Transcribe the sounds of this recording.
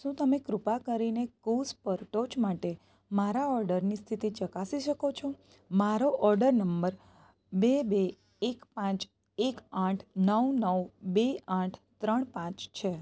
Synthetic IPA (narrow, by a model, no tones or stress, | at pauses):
ʃũt̪əmekɾʊpakəɾinekuspəɾʈod͡ʒmaʈe | maɾaɔɾɖəɾnist̪ʰit̪it͡ʃəkasiʃəkot͡ʃʰo | maɾoʔɔɾɖəɾnəmbəɾ | bebeː | kpãt͡ʃ | ekãʈʰnəwnəwbeãʈʰt̪ɾəɳpãt͡ʃt͡ʃʰe